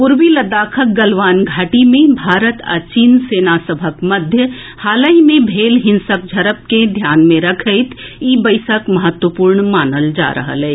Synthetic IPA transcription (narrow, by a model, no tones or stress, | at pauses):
pʊɾʋiləd̪aːkʰək̚ɡəlʋaːnɡʱaːʈimẽbʱaːɾət̪a̰t͡ʃiːnseːnasəbʱəkmɐd̪ʱjə | haːləimẽbʱeːlɦɪ̃nsək̚d͡ʒʱɐɾəp̚ked̪ʱjaːnmẽɾɐkʰəɪt̪iːbəɪsəkməɦət̪wəpuːɾɳmaːnəld͡ʒa̰ːɾə̰ɦə̰lɛː